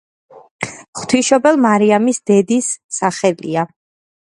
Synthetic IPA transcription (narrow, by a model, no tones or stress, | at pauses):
χt̪ʰwiʃɔbɛlˠmaɾiamisd̪ɛd̪isːaχɛlḭa